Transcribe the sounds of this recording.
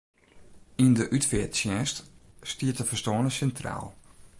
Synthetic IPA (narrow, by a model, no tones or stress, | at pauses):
indəʔytfɛətsjɛststiətəfəstɔːnəsɛntra̰ːlˠ